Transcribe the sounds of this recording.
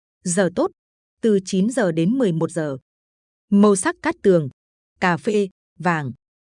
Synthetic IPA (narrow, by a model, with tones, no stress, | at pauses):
zəː˨˩t̪o˦˥t̚ | t̪ɨ˨˩t͡ɕi˨˦nzəː˨˩ɗe˨˦nmɨ˨˩əjmo˨˩t̚zəː˨˩ | mə˧wsa˦˥k̚kaː˦˥k̚t̪ɨ˨˩əŋ | kaː˧˩fḛ˧˥ | vaː˨˩ŋ